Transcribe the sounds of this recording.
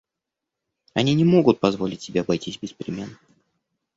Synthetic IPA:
ɐnʲinʲɪmo̞ɡʊt̪̚pɐzvo̞lʲɪtʲsʲɪbʲeɐbɐjtʲisʲbʲɪspɾʲɪmʲenː

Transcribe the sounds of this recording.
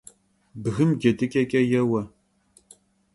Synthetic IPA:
bɨɣɨmɡʲetʰʼɨkʼɐkʼɐjɛwɐ

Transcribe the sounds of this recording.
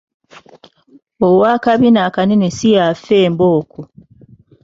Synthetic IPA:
owaːkaβinaːkanenesijafeːmboːku

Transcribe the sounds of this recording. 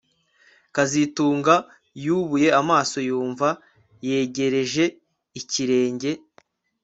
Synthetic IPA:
kazituːŋɡa | juβuje̞amaːso̞juːɱva | je̞ːɟe̞ɾe̞ʒe̞ | iciɾe̞ːɲɟe̞

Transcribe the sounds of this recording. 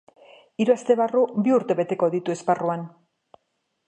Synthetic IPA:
iɾuast̪e̞βarubiuɾt̪e̞βe̞t̪e̞ko̞ðit̪ue̞sparuan

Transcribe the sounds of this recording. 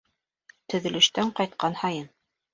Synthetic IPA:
t̪ɵ̆ðɘ̆lɵ̆ʃt̪æɴqɑjt̪̚qɑnhɑjɤn

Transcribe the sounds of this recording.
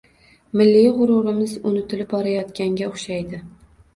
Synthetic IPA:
mɪlːijʁʊɾʊɾɪmɪzʊnɪt̪ʰɪlɪp̚bɒɾajɒt̪kʲaŋɡʲaʊχʃajd̪ɪ

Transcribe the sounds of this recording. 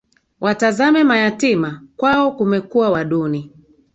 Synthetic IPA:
wʔatazamɛmajatimakwaɔkumɛkuwawaɗuni

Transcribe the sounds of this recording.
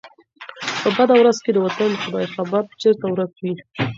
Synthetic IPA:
pəbad̪awɾazked̪əwat̪and̪əxʊd̪ɑjxabab̚t͡ʃeɾt̪awɾakwi

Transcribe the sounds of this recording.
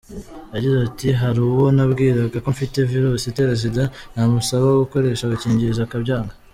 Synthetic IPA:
jaɟizetiɦaɾuːwo̞nabɡiːɾaɡako̞ɱfite̞viɾuːsite̞ɾezidanhamusaβaɡuko̞ɾe̞ːʃaɡaciːɲɟiɾzakabɟaːŋɡa

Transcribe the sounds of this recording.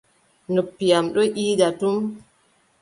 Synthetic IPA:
nopːijamɗɔʔiːdatum

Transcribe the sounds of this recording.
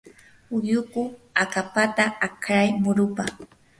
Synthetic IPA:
ʊjʊkʊakapat̪aakɾajmʊɾʊpa

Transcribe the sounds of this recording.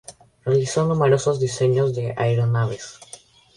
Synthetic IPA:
realisonumeɾo̞sozðise̞ɲozðe̞ʔajɾonaβes

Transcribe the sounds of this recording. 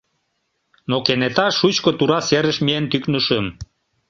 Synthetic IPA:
nokenet̪ɑʃut͡ɕkot̪uɾɑseɾə̆ʃmient̪yknəʃəm

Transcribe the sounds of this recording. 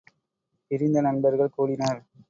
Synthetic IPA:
ɪɾɪnd̪ɐnɐnbɐɾɣɐɭkoːɽɪnaːɾ

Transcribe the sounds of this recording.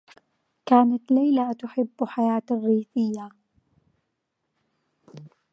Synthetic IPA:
kaːnat̪lajlat̪ʊħɪbːħajaːt̪rːiːθɪjːa

